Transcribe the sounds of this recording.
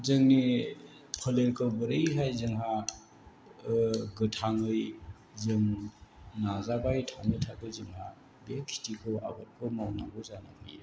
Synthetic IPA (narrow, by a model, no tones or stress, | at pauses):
zɯŋni | pʰəleɾkʰɯwbɯɾɯjɦajzɯŋɦa | ɡɯtʰaŋɯj | zɯŋ | nazabajtʰaŋɯtʰabɯzɯŋha | bekʰi̥tikʰɯa̰bɯt̚bɯmawnaɡɯzana̰kʰɯjɯ̰